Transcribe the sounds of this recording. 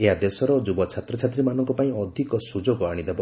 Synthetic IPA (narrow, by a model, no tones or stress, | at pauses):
eɦad̪esɔɾɔd͡ʒubɔt͡ʃʰat̪ɾɔt͡ʃʰat̪ɾimanɔŋkɔpaĩɔd̪ʱikɔsud͡ʒoɡɔaɽ̃id̪ebɔ